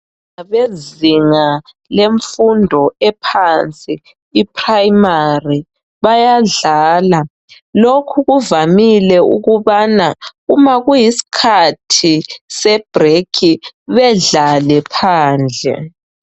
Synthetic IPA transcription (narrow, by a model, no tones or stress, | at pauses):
aβeziŋa | leɱfundʱɔɛpʰant͡sʼiː | pʰʼrajmari | βajaɮaːla | lokʰuɣuvamilɛṵɣuβanaɣumaɣujisi̥kʰatʰisɛb̥rekʰiβɛɮalɛpʰaːnd͡ɮʱɛ̰